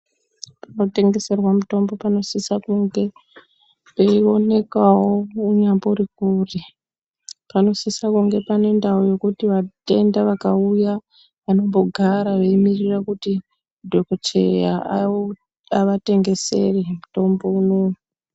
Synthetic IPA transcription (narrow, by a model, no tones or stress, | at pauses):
pano̞te̞ŋɡe̞se̞rwamuto̞mbo̞pano̞sisakuŋɡe̞ | peio̞ne̞kawo̞uɲambourikuːri | pano̞sisakuŋɡe̞pane̞ndaojo̞kutiʋate̞ndaʋakauja | ʋano̞mbo̞ɡʱaɾaʋeimirirakuti | dʱo̞kot͡ʃḛja̰ | aʋate̞ŋɡe̞se̞̰remuto̞mbo̞unou